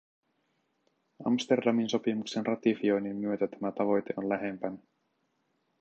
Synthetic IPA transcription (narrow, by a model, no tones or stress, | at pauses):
ɑ̰mst̪e̞rdɑminso̞pimukse̞nrʔɑt̪ifio̞jnimːyø̞t̪æt̪æmæt̪ɑʋo̞jt̪e̞ʔo̞nlæɦe̞mpænæ